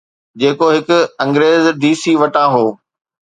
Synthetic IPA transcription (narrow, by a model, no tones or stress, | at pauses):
d͡ʑeːkoɦɪkʊ̆ɐ̃ŋɡɾeːzd̪iːsiːʋɐʈãɦoː